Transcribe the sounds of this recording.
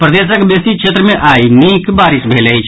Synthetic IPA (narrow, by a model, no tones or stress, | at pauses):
pɾəd̪es̬əkbesikt͡ʃʰet̪ɾəmeʔainikbaɾisbʱelt͡ʃʰ